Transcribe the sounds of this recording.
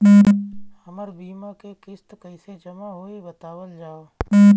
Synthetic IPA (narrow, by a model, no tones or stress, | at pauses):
həməɾbiːmakekɪst̪kəɪsed͡ʒəmaɦoibət̪aːwəld͡ʒaːoː